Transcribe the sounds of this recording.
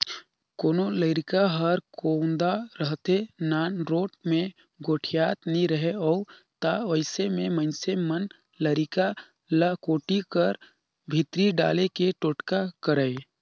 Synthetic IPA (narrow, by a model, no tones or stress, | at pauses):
koːnoləɾɪkaɦɐɾkõːnd̪aɾəɦt̪enaːnɾoːʈ̚mẽ | ɡoːʈʰijaːt̪nĩɾəɦeɔː | t̪aʋəɪsemẽmə̃ɪ̃nsemən | ləɾɪka | ləkoːʈikəɾ | bʱɪt̪ɾiɖa̰ːlekeʈoʈkakəɾəe